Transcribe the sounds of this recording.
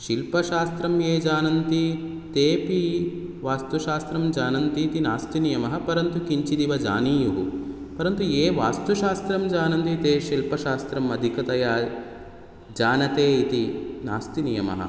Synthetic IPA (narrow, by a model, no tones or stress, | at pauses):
ʃilpɐʃaːst̪ɾɐmjeːd͡ʒaːnɐnt̪i | t̪eːpi | ʋaːst̪uʃaːst̪ɾɐmd͡ʒaːnɐnt̪it̪inaːst̪inijɐmɐɦɐ̆pɐɾɐnt̪ukiɲt͡ʃid̪iʋɐd͡ʒa̰ːniːjuɦu | pɐɾɐnt̪ueːʋaːst̪uʃaːst̪ɾɐmd͡ʒaːnɐnt̪it̪eːʃilpɐʃaːst̪ɾɐmɐd̪ʱikɐt̪ɐjaː | d͡ʒaːnɐt̪eːit̪ina̰ːst̪inijɐmɐ̰ɦɐ̰